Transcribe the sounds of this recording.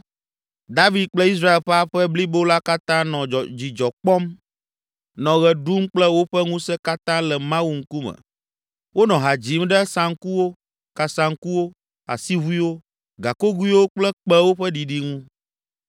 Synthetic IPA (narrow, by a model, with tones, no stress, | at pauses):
d̪a˦vi˨d̪̚k͡plɛ˦i˦s̬ɾa˦e˨lɸɛ˦a˦ɸɛ˦bli˦bo˦la˦ka˦t̪ã˦nɔ̃˨d͡ʑi˨d͡ʒɔ˨k͡pɔ˦m | nɔ̃˨ɣɛ˨ɖu˦mk͡plɛ˦wo˦ɸɛ˦ŋũ˦sɛ˦ka˦t̪ã˦lɛ˨mã˦wu˨ŋ̩˦ku˦mɛ̰˨ | wo˦nɔ̃˨ɦa˨d͡ʑi˨˦mɖɛ˦sã˨ŋ̩˦ku˦wo˦ | ka˨sã˨ŋ̩˦ku˦wo˦ | a̰˨si˦βu˦i˦wo˦ | ɡa˨ko˦ɡu˦i˦wo˦k͡plɛ˦k͡pɛ˦wo˦ɸɛ˦ɖi˨ɖi˦ŋũ˦